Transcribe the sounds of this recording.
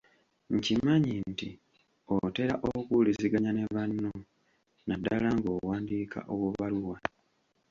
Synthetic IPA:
ɲcimaɲinti | ote̞ɾaʔokuliziɡaɲane̞βanːo | nadːalaŋɡo̞ːwaːndikʰa̰ʔoβwoβaluwa

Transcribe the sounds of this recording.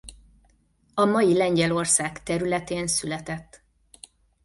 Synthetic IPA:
ɒmɒjilɛɲɟɛlo̞rsaːkt̪ɛɾylɛt̪eːnsylɛt̪ɛt̪ː

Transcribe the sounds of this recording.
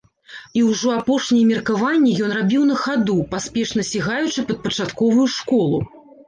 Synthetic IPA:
iwʐɔapɔʂnʲɛjɛmʲirkavanʲːijɔnrabʲiwn̪ɐxad̪upaspʲɛʂnɐsʲiɣajut͡ʂɨpɐt̪̚pɐt͡ʂat̪kɔvujuʂkɔlˠu

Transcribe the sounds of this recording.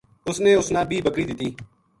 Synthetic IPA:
ʊsnẽːʊsnãːbʱiːbəkɾiːd̪ɪt̪iː

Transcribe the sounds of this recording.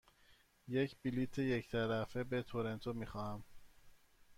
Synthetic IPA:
je̞cʰb̥ilit̪ʰeject̪ʰæɾæfebet̪ʰoɾent̪ʰomixɒːhæm

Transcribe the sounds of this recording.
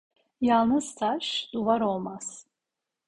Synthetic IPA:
jalˠnɯz̥t̪ʰaʃd̪̥uvaɾo̞lˠmaz̥

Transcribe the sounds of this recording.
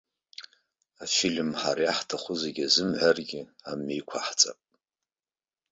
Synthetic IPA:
afilʲmħaɾajaħtʰaχʷʊzeɡʲazɨmʕʷarɡʲɪamejkʷʰaħt͡sʼa̰pʼ

